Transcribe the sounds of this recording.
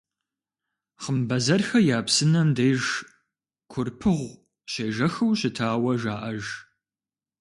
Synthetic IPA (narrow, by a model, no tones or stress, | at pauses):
χəmbɐzɐrxɐjaːpsɨnɐmdejʒ | kʷʰʊrpʰɨʁʷ | ɕeːʒɐxɐwɕɪtʰaːwɐʒaːʔɐʒ